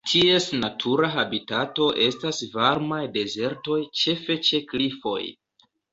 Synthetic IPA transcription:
tʰie̞snatʰuɾaɦabitato̞ʔe̞stasvaɾmajde̞ze̞ɾto̞jt͡ʃe̞fe̞t͡ʃe̞klifo̞̰j

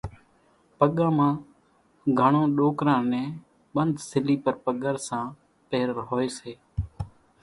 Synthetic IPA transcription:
pəɠãːmãː | ɡʱəɳõːɗoːkɾãːnɛ̃ː | ɓənd̪ʱsɪliːpəɾpəɠəɾsãː | peːɾɦoːeːseː

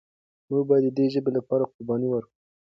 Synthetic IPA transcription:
muɡ̚bɑjad̪ːəd̪eʒəbelapɑɾaqʊɾbɑniwəɾku

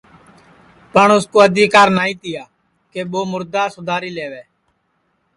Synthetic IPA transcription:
pəɳʊskoːəd̪ʱiːkaːɾnaːĩːt̪ɪjaː | keːɓoːmʊɾd̪aːsʊd̪ʱaːɾiːleːʋeː

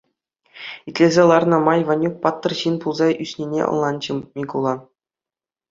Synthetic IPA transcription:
it̪ʲlʲezʲelˠɑrnɤ̆mɑjʋɑnʲuk̚pɑt̪ːɤ̆rɕinpulˠzɑysʲnʲenʲḛʔɤ̰̆nˠlˠɑnd͡ʑɤ̆mʲiɡulˠɑ

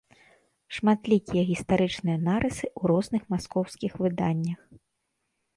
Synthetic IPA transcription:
ʂmat̪lʲikʲijɐɣʲist̪aɾɨt͡ʂnɨjɐnaɾʔɨsɨʔuɾɔznɨxmaskɔwskʲixvɨd̪anʲːɐx

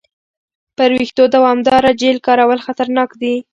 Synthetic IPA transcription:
pəɾwixd̪od̪awɑmd̪ɑɾad͡ʒelkɑɾawəlxat̪aɾnɑkd̪i

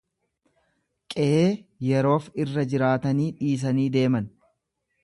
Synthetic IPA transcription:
kʼɛʔeːjɛɾo̞ːfɪrːɐd͡ʒɪɾaːt̪ɐniːᶑiːs̬ɐniːd̪e̞ːmɐn

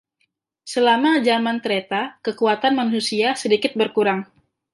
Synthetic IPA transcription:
səlamad͡ʒamant̪əɾet̪akəkuat̪anmanusiasədikɪt̪̚bərkuɾaŋ

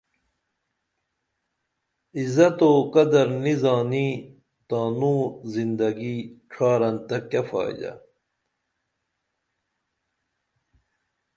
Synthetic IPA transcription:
izɐt̪oːkɐd̪ɐɾnizaːniː | t̪aːnũːzind̪ɐɡiʈ͡ʂʰaːɾɐnt̪ɐkːɐfa̰ːd͡ʑɐ̰

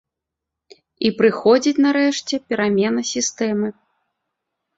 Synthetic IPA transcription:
ipɾɨxɔd͡zʲit͡sʲnaɾɛʂt͡sʲɛpʲɛɾamʲɛnɐsʲist̪ɛmɨ

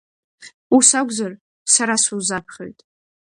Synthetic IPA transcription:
usaɡʷzar | saɾasuzapʰχʲo̰jtʼ

